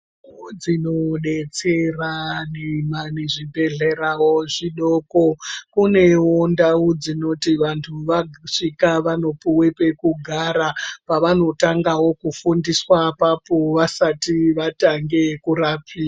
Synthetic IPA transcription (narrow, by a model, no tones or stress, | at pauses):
d͡zinoɗe̞t͡se̞ranemaneʐibʱe̞ɮeɾawoʐiɗo̞ko̞kune̞wondaud͡zino̞tiʋantʰuʋaʂikaʋano̞puwepe̞kuɡʱaɾapaʋano̞taŋɡawo̞kufundiswapapoʋasatiʋataŋɡekuɾapʰiːa